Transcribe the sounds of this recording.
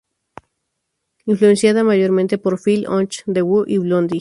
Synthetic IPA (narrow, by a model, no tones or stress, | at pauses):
influensjaðamaʝoɾmẽnt̪epoɾfilo̰nt͡ʃd̪ewuʔiβlond̪i